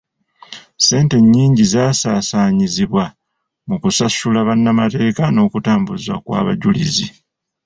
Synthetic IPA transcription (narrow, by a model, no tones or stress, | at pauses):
se̞ːnte̞ɲːiːɲɟizaːsaːsaːɲiziβwa | mukusasulaβanːamate̞ːkano̞ːkutaːmbuzwa̰kwa̰ːβa̰ɟulizi